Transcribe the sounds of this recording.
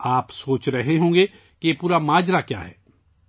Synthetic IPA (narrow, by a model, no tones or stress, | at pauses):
aːpsoːt͡ʃɾɐɦeɦõːŋɡe | kijepuːɾamaːd͡ʒɾakja̰ːɦɛ̰ː